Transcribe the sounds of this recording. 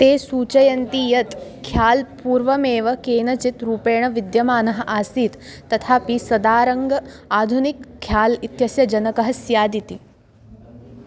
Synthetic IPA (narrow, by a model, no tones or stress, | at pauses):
t̪eːsuːt͡ʃɐjɐnt̪ijɐt̪kʰjaːlpuːɾʋɐmeːʋɐkeːnɐt͡ʃit̪ɾuːpeːɳ̃ɐʋid̪jɐmaːnɐɦɐ̆ʔaːsiːt̪ːɐt̪ʰaːpisɐd̪aːɾɐŋɡɐaːd̪ʱunikʰːjaːlit̪jɐsjɐd͡ʒɐnɐkɐɦɐsjaːd̪it̪i